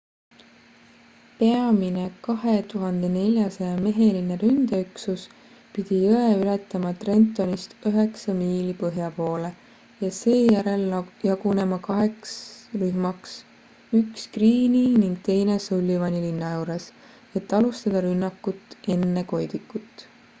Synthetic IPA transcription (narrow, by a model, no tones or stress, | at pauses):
pe̞ɑmine̞kɑɦe̞t̪uɦɑnd̪̥e̞ne̞lʲjɑsɑjɑme̞ɦe̞line̞ɾynd̪̥eyksus | pid̪̥ijoeylet̪ːˑɑmɑt̪re̞nt̪ːˑo̞nist̪yɦe̞ksɑmiːlipɤɦjɑpo̞ːle̞ | jɑse̞ːjæɾe̞ljɑɡ̥une̞mɑkɑɦe̞ksryhmɑks | ykskriːniniŋɡ̥̚t̪e̞jne̞solʲːivɑnʲilinːɑjuːɾes | e̞t̪ːˑɑlust̪ɑd̪̥ɑɾynːɑkːut̪ːˑe̞nːe̞ko̞jd̪ikːˑut̪ːˑ